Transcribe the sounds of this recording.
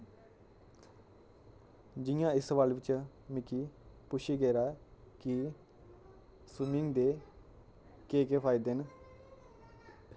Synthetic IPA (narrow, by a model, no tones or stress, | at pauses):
d͡ʒɪjãːɪsəʋaːlʋɪt͡ʃ | mɪkiːpʊʃʰiːɡeːɾaːki | swɪmɪŋɡd̪eː | keːkeːpʰaːɪd̪eːn